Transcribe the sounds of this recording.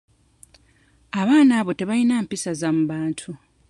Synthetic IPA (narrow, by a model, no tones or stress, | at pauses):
aβaːnaːβo̞te̞βajinaːmpisazamuβaːntʰu